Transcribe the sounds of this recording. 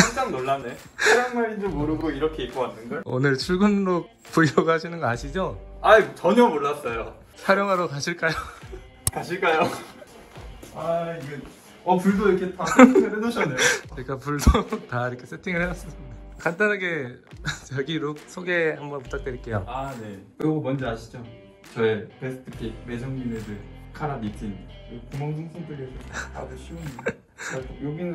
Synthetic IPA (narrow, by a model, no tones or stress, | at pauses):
t͡ɕaŋt͡ɕʰaŋnoɭːane | eɾanmaɾind͡ʑemoɾɯɡoiɾʌkʰe̞ik͈oɡanːɯnɡao̰nɯɭt͡ɕʰuɭɡɯnɾok̚puiʌɡhaɕʰinɯnɡʌaɕʰid͡ʑoait͡ɕʌɲʌmoɭːas͈ʌjo | sʰaɾjoŋɦaɾokaɕʰiɭk͈ajo | kaɕʰiɭk͈ajo | aiɡe | ʌpuɭdoiɾʌkʰetaɯɾedoɕʰʌnːeik͈apuɭdotaiɾʌkʰes͈ʰetʰiŋɯɭhedas͈ʌs͈kant͈anɦaɡet͡ɕʌɡiɾok̚sʰoɡe̞hambʌnpu̥t͈ak̚t͈weɾiɭk͈e̞joane̞kɯɾʌɡomʌnd͡ʑʌaɕʰi̥d͡ʑo | t͡ɕʌepes͈ʰɯ̥tʰɯ̥pʰik̚me̞d͡ʑʰʌŋɲimesʰekʰaɾanitʰinkɯkumʌŋsʰoŋsʰoŋtʰɯɡesʰʌa̰ɡɯɕʰium | ajoɡinɯ